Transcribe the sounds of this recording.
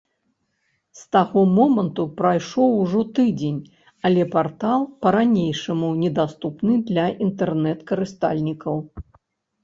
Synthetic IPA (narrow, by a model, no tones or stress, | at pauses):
st̪aɣɔmɔmɐnt̪upɾajʂɔwʐɔt̪ɨd͡zʲenʲ | ɐlʲɛpart̪alˠpɐɾanʲejʂɐmunʲɛd̪ast̪upnɨd̪lʲɐʔint̪ɛrnɛt̪kɐɾɨst̪a̰lʲnʲikɐw